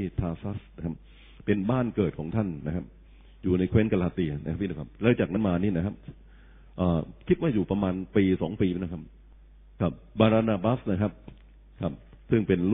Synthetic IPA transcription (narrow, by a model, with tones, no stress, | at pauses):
t̪ʰaː˧sa˦˥sna˦˥kʰa˦˥p̚ | pe˧nbaː˥˩nkɤː˨˩t̪̚kʰɔː˩˦ŋt̪ʰa˥˩nːa˦˥kʰa˦˥p̚ | juː˨˩na˧jkʰwe˦˥nka˧laː˧t̪i˧na̰˥kʰa˦˥pʰːi˥˩˨kʰa˦˥p̚lɛː˦˥t͡ɕaː˨˩k̚na˦˥maː˧niː˥˩na˦˥kʰa˦˥p̚ | ʔaː˨˩kʰi˦˥t̪̚waː˥˩juː˨˩pɾa˧maː˧npiː˧sɔː˩˦ŋpiː˧˦˥n˦˧kʰa˦˥p̚ | kʰa˦˥p̚baː˧ɾaː˧naː˧baː˦˥sna˦˥˩kʰa˦˥p̚ | kʰa˦˥˩p̚ | sɯ˥˩ŋpe˧nl